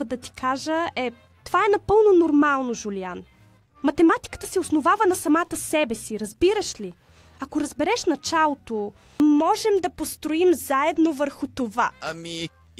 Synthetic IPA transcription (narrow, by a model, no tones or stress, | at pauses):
əd̪ɐt̪i̥kaʒəɛ | t̪ovaɛnɐpɤlˠnonoɾmalˠnoʒʊlian | mɐt̪ɛmat̪i̥kə̥t̪ə̥sɛosnovavənɐsɐmat̪əsɛbɛsiɾɐzbiɾəʃli | ɐkoɾɐzbɛɾɛʃnɐt͡ʃalˠot̪o | mɔʒɛmd̪ɐpost̪ɾoimzaɛd̪novəɾxʊt̪ovaɐmi